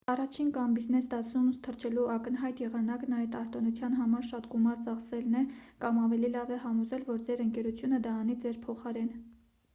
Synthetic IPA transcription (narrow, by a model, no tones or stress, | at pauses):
ɑrɑt͡ʃʰinkɑmbiznɛsd̪ɑt͡sʰnumst̪ʰəɾt͡ʃʰɛluʔɑkənɦɑjt̪jɛʁɑnɑknɑjt̪ɑɾt̪ɔnut͡sʰjɑnɦɑmɑɾʃɑt̪ɡumɑɾt͡sɑχsɛlnɛkɑmɑvɛlilɑvɛɦɑmɔzɛlvɔɾd͡zɛɾəŋkɛɾut͡sʰjunəd̪ɑːnid͡zɛɾpʰɔχɑɾɛn